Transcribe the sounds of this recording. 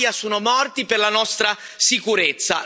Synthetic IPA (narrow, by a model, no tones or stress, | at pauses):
jasuːnomɔrt̪iperlanɔst̪ɾa | sikuɾet̪sːa̰